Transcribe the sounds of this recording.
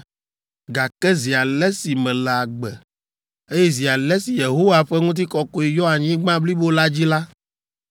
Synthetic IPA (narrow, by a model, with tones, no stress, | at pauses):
ɡa˨kɛ˦zi˨a˨lɛ˦si˨mɛ̃˨lɛ˨a˨ɡ͡bɛ˨ | e˦jɛ˦zi˨a˨lɛ˦si˨je˨ɦo˦wa˨ɸɛ˦ŋũ˦t̪̬i˦kɔ˦ko˦i˨jɔ˦a˨ɲĩ˦ɡ͡bã˦bli˦bo˦la˦d͡ʑi˦la˦